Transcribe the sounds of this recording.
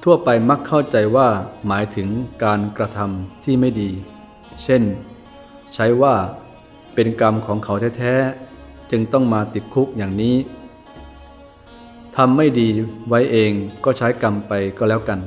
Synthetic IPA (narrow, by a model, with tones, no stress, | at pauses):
t̪ʰu˥˩ɐpa˧jma˦˥kʰːa˥˩wt͡ɕa˧jwaː˥˩maː˩˦jt̪ʰɯ˩˦ŋkaː˧nkɾa˧t̪ʰa˧mt̪ʰiː˥˩ma˥˩jdiː˧ | t͡ɕʰe˥˩n | t͡ɕʰa˦˥jwaː˥˩ | pe˧nka˧mkʰɔː˩˦ŋkʰa˩˦wt̪ʰɛː˦˥t̪ʰɛː˦˥ | t͡ɕɯ˧ŋt̪ɔ˥˩ŋmaː˧t̪i˨˩t̪̚kʰu˦˥k̚jaː˨˩ŋniː˦˥ | t̪ʰa˧mːa˥˩jdiː˧wa˦˥jʔeː˧ŋkɔː˥˩t͡ɕʰaː˦˥jka˧mpa˧jkɔː˥˩lɛː˦˥wka˧n